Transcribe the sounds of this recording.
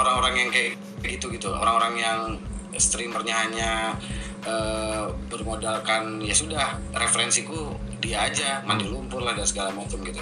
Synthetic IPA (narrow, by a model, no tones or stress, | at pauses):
oɾaŋoɾaŋjaŋkaj | ɡit̪uɡit̪uo̰ɾaŋoɾaŋjaŋ | st̪ɾimərɲaɦaɲa | əbərmodalkanjasudah | refəɾɛnsiku | diaːd͡ʒamandiŋlumpʊrlahdasəɡalamat͡ʃəmɡit̪u